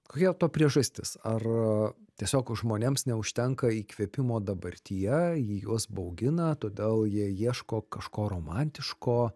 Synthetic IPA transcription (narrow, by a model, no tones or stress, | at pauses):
koːkʲiɛt̪oːpʲɾʲiɛʒɐsʲt̪ʲɪsɐrt̪ʲiɛsʲoːkʒmoːnʲeːmsnʲɛʊʃʲt̪ʲɛŋkɐiːkʋʲiɛpʲɪmoːd̪ɐbɐɾʲt̪ʲijɛjiːjuɔsbɐʊɡʲɪnɐt̪oːd̪ʲeːlˠjiɛjiɛʃkoːkɐʃkoːɾoːmɑnʲt̪ʲɪʃkoː